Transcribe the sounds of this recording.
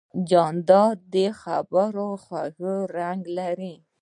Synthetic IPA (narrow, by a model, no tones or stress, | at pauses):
d͡ʒɑnd̪ɑd̪exabaɾoxwaɣəɾaŋɡlaɾi